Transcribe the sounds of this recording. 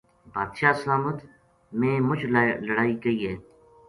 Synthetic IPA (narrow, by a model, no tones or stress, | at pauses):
bʱaːd̪ʃaːslaːmət̪ | mẽːmʊd͡ʒlləɽaːiːɡəiːɦɛː